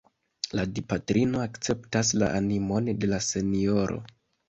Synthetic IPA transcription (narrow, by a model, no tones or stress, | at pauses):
ladipatɾino̞akt͡se̞ptas̬la̰ʔanimo̞nde̞lase̞nio̞ɾʔo̞̰